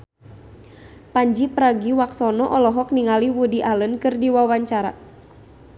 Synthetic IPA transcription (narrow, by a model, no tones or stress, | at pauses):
paɲd͡ʒipəɾaɡiwaksɔnɔʔɔlɔɦɔk̚niŋaliwudiʔalənkɨrdiwawaɲt͡ʃaɾa̰